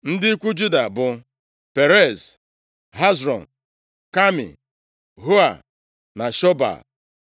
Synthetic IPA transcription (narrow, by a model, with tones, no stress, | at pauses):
n̩˦dɪ˦i˦kʷu˦d͡ʒu˦da˨bʊ˨ | pe˨ɾe˦˨z | ɦa˦zɾɔ̰˨n | ka˦mḭ˨ | ɦo˦a̰˨ | na˨ʃɔ˦ba̰˨